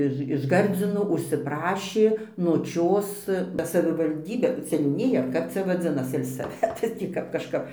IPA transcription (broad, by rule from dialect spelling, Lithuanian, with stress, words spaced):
ˈɪʃ ɪʃ ˈɡɐrʲd͡zʲɪnoː ʊʃʲsʲɪˈprɑːʃʲeː noːˈt͡ʃʲoːs bɐ sɐʋʲɪʋɐlʲˈdʲiːbʲeː sʲɛnʲuːˈnʲɪjɛ ɐr ˈkɐp t͡sʲɛ ʋɐˈd͡zʲɪnɐs sʲɛlˠsɐˈʋʲæːtɐs ˈtʲiː kɐp kɐʃˈkɐp